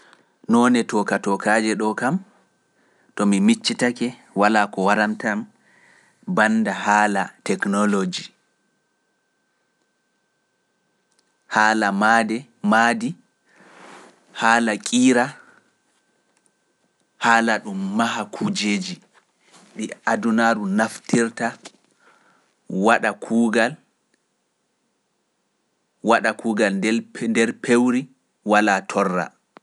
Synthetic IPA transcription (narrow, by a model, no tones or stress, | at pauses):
nɔːnɛtɔkatɔkaːd͡ʒɛɗɔkam | tɔmimit͡ʃːitakɛ | walaːkɔwaɾamtam | bandaɦaːlatɛknɔlod͡ʒi | haːlamadɛmadi | haːlakʼiːɾa | haːlaɗumːaɦakʰud͡ʒeːd͡ʒi | ɓiadunaːɾunaftiɾta | waɗakʰuːɡal | waɗakʰuːɡaldɛndɛɾpʰewɾi | walatʰɔrːa̰